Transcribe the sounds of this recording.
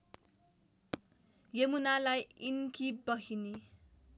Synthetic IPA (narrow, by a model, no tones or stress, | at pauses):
jemunalajinkibʌɦini